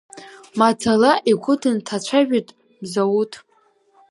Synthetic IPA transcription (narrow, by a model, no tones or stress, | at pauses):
mat͡sʰalaʔiɡʷʰʊtʰɨntʰat͡ɕʷʰaʒᶣatʼ | mzawutʼ